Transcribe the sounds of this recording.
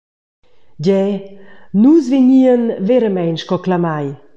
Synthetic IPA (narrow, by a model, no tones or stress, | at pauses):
ɟɛ | nuzveɲiənveɾəmɛjnʃkɔklamaj